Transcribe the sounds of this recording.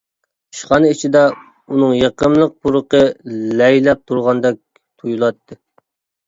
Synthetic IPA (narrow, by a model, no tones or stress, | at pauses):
i̥ʃqɑnɨit͡ʃʰid̪ɛ | unɨŋjeqəmlˠəq̚buɾəqəlɛjlɛp̚t̪ʰuɾʁɑnd̪ɛk̚ʲ | t̪ʰujulˠɑt̪ːɨ